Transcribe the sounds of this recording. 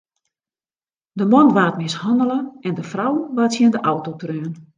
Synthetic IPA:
dəmɔnʋaːtmɪshɔndələɛndəfrawʋaːtsjɪndəʔawtotrøːn

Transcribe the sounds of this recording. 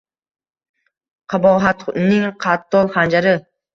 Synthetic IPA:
qʰɑbɒʁɦat̪nɪŋqʰɑt̪ʰːɒlˠχand͡ʒaɾɪ

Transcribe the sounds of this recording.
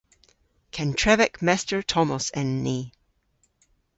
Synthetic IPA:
kʰɛ̃ntʰɹ̥ɛvɪkmɛstə˞tʰɔməsɪ̃nːi

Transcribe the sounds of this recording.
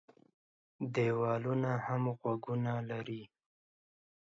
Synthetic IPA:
d̪ewɑlunahamɣwaɡunalaɾi

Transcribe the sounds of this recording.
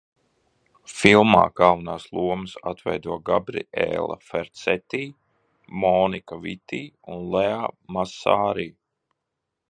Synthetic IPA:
filˠma̰ːɡalˠvanaːslˠuɔmɨsat̪vɛjd̪uɔɡabɾḭḛːlˠa̰fɛɾt̪sɛt̪iː | mɔːnikavit̪iːunleamasaːɾiː

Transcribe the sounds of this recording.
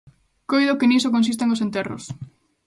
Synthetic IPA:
kojðokɪnisokõns̬ist̪eŋosent̪ɛro̰s

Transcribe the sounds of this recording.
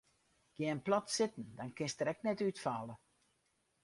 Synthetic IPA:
ɡ̥jɛənplɔtsɪtn̩dɔnkɪnstəɾɛk̚nɛtytfalˠə

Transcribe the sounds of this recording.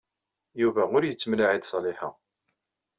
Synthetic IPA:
juvæʊɾjət͡sːmlaʕiðsˤɑlɪħa̰

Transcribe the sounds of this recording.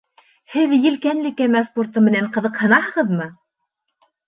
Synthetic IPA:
hɘðjɘ̆lkænlɘ̆kæmæsport̪ɤmɘ̆næɴqɤ̆ðɤqhɤ̆nɑhɤ̆ʁɤðmɤ

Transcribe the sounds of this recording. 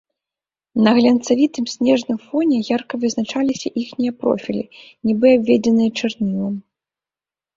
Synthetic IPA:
nɐɣlʲɐnt̪savʲit̪ɨmsʲnʲɛʐnɨmfɔnʲɛjarkɐvɨznat͡ʂalʲisʲɐʔixnʲijɐpɾɔ̰fʲilʲḭ | nʲibɨabʲvʲed͡zʲɛnɨjɐt͡ʂɨrnʲilˠɐm

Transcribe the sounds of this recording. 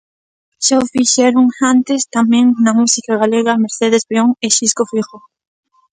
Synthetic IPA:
ʃaʊfiʃɛɾuŋant̪est̪amẽŋnɐmusikaɣaleɣɐmeɾθeðespeoŋeʃiskofiɣo

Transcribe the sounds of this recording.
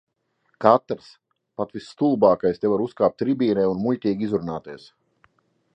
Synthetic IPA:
kat̪ɾs | pat̪visːt̪ulˠbaːkajst̪evaɾuskaːp̚t̪ɾibʲiːɾɛjunmuʎʲt̪ʲiːɡʲizuɾnaːt̪iɛs

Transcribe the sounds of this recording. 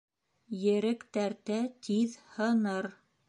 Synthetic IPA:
jɘ̆ɾɘkt̪æɾt̪æt̪ʰiðhɤ̆nɤɾ

